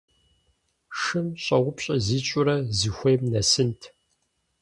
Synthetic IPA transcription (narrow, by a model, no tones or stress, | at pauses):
ʂɨmɕʼɐʁʷʊpɕʼɐziːɕʼʊɾɐzixʷejmnɐsɨntʰ